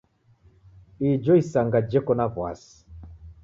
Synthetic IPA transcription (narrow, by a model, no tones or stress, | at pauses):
id͡ʒɔisaŋɡad͡ʒɛkɔnavwa̰si̥